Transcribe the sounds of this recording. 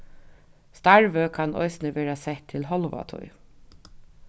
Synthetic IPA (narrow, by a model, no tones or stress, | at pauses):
st̪ɑɹʋəkʰɑnɔ̰ɪsnəʋeːɹasɛht̪ʰːɪlɦɔlʋa̰t̪ʰɔ̰j